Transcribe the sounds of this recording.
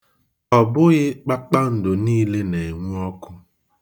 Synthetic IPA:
ɔ˨bʊ˦ɣɪ˦k͡pa˦k͡pa˦n̩˨dʊ˨niː˦le˦ne˨ŋʷu˦ɔ˦kʊ˦

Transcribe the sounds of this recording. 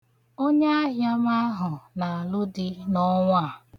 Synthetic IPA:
o˦ɲe˦a˦ɦja˦ma˦ɦʊ˨na˨a˨lʊ˦dɪ˦nɔ˦ŋʷa˦˨

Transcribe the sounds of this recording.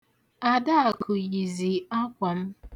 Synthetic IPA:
a˨da˦a˨kʰʊ˨ɣi˨zi˨a˦kʷa˨m̩˦

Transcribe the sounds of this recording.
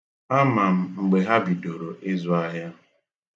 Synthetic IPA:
a˦ma˨m̩˨ŋ͡m̩˨ɡ͡be˨ɦa˦bi˨do˨ɾo˨ʔɪ˦zʊ˦a˦ɦa˦

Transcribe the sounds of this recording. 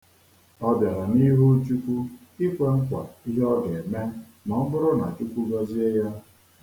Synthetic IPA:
ɔ˦bja˨ɾa˨ni˦ɦu˦t͡ʃu˦kʷu˦ | i˦kʷe˦ŋ̩˦kʷa̰˨i˦ɦɔ˦ɡe˨me˦ | mɔ˨ŋ̩˦ɡʊ˦ɾʊ˦na̰˨t͡ʃu˦kʷu˦ɡa˦zi˦e˦ja˦

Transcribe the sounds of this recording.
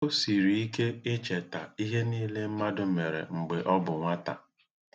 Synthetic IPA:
o˦si˨ɾi˨i˦ke˦ɪ˦t͡ʃe˨ta̰˨i˦ɦe˦niː˦le˦m̩˦ma˦dʊ˦me˨ɾḛ˨ŋ͡m̩˨ɡ͡be˨ʔɔ˦bʊ˨ŋʷa˦ta̰˨

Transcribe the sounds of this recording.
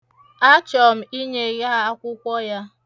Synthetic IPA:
a˦t͡ʃɔ˨m̩˨i˦ɲe˨ɣi˦a˦kʷʊ˦kʷɔ˦ja˦

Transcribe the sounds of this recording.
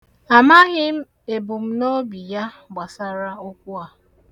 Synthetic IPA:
a˨ma˦ɣɪ˦m̩˦ | e˨bʊ˨m̩˦no˦bi˨ja˦ | ɡ͡ba˨sa˦ɾa˦o˦k̚ʷu˦a˨

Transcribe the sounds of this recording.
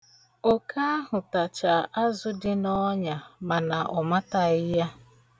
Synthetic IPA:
o˨kʰa˦ɦʊ˨ta˨t͡ʃa˨ʔa˦zʊ˦dɪ˦nɔ˦ɲa˨ma˨na˨ʔɔ˨ma˦ta˨ɪ˦ja˦

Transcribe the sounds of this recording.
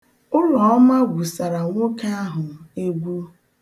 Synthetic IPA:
ʊ˦lɔ˨ɔ˦ma˦ɡʷu˨sa˨ɾa˨ŋʷo˦ka˦a˦ɦʊ˨e˦ɡʷu˦

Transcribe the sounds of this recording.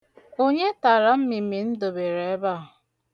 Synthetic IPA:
o˦ɲe˦ta˨ɾa˦m̩˦mi˨mi˨n̩˦do˨be˨ɾe˨e˦ba˦˨ʊ˨

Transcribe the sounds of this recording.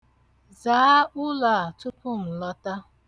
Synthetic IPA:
zaː˨˦ʊ˦la˨a˨tʊ˦pʊ˦m̩˨lɔ˦ta˦

